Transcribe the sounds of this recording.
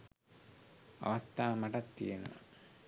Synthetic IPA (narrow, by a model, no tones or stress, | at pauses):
a̰ʋast̪aːmaʈat̪ːijenə̰ʋa̰